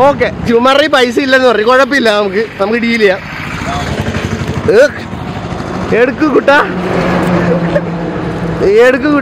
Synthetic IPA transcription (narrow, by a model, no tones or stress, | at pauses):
oːk̬ːet͡ɕumːɐripɐjs̬ɨilːɐnːɨpɐrɐikoɻɐp̬ːilːɐnɐmukːɨnɐmukːɨɖiilːɐja | ek | eɽukːukuʈːaː | eɽukːuku